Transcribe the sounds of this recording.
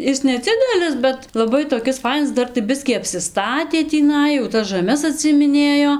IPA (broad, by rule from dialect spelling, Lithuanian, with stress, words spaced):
ˈɪs nʲɛˈd͡zʲɪdʲɛlʲɪs bʲɛt lˠɐˈbɐɪ toːˈkʲɪs ˈfɐɪnɐs ˈdɐr tɐɪ ˈbʲɪsʲkʲiː ɐpʲsʲɪˈstɑːtʲeː tʲiːˈnɐɪ jɛʊ ˈtɐs ʒɐˈmʲɛs ɐtʲsʲɪɪmʲɪˈnʲeːjoː